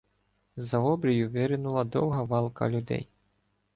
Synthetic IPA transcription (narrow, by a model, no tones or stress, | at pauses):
zɐɔbɾʲijuvʲɛɾɪnulˠɐd̪ɔwɦɐʋɑlˠkɐ̰lʲud̪ɛ̰j